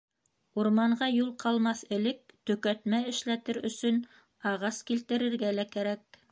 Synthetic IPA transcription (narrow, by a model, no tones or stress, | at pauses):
uɾmɑɴɢɑjulˠqɑlˠmɑθɘ̆lɘk̚t̪ɵ̆kæt̪mæɘ̆ʃlæt̪ɘɾɵ̰̆sɵn | ɑʁɑskilt̪ɘ̆ɾɘ̆ɾɡælækæɾæk̚